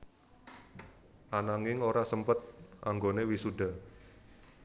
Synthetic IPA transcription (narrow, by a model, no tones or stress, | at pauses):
ʔanaŋɪŋoɾasəmpət̪̚ʔa̰ŋɡonewisuda